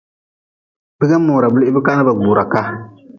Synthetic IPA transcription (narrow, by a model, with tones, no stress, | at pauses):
bɨ˦ɣɛ˦mːʊː˨ɾa˨bu˦lʔɪ˦bɨ˦ka˦na˦ba˨ɡ͡buː˨ɾa˨ka˦